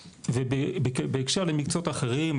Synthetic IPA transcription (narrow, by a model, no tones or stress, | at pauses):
vebbbeːkʃeʁlemikt͡sot̪aχeʁim